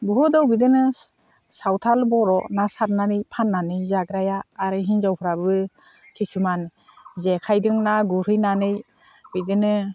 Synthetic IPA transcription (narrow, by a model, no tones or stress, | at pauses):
buɦɯdɔwbidɯnɯ | sawtʰalbɔɾɔnasaɾnanɯjpʰanːanɯjzaɡɾajaːɾɯɦinzawpʰɯɾabɯ | kʰesuman | zekʰajdɯŋnaɡuɾɯjnanɯj | bidɯnɯ